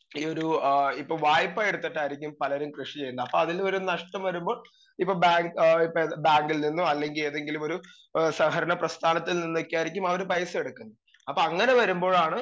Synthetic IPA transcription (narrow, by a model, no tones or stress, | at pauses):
iːoɾuipːoːɭʋaːjpːajeɽut̪ːiʈːaːjiɾikʲːumpɐlɐɾumkrɨʂit͡ɕe̞jːunːdɐpːo̞ːɐðilmɐɾunɐʂʈɐmʋɐɾumbo̞ːɭ | ipːoːbaːŋɡipːobaːŋɡilninːuɐlːe̞ŋɡile̞ːðe̞ŋɡilumo̞ɾu | sɐhɐɾɐnɐprɐst̪ʰaːnɐt̪ːilninːokʲːaːjiɾikʲːumɐʋɐɾupɐjɐsɨe̞ɽukːunːɐ | ɐpːoɐŋːɐne̞ʋɐɾumbo̞ːɭaːɳɨ